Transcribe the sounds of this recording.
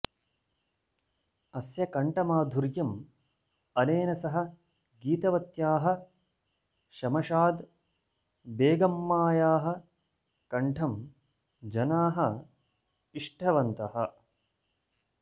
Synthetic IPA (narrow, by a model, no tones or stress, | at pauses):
ɐsjɐkɐɳʈɐmaːd̪ʱuɾjɐm | ɐneːnɐsɐɦɐ̆ | ɡiːt̪ɐʋɐt̪jaːɦɐ̆ | ʃɐmɐʃaːd̪ | beːɡɐmːaːjaːɦɐ̆ | kɐɳʈʰɐm | d͡ʒɐnaːɦɐ | iʂʈʰɐʋɐnt̪ɐhɐ̰